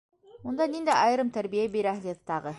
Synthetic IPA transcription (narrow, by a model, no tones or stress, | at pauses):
mund̪ɑnind̪æʔɑjɾɤmt̪æɾbijæbeɾæɦlʲet̪t̪ːɑʁɤ